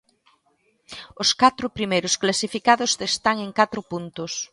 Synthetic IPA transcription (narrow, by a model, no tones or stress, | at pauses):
ʊskat̪ɾʊpɾimejɾʊsklasifikaðʊsðest̪aŋeŋkat̪ɾʊpunt̪ʊs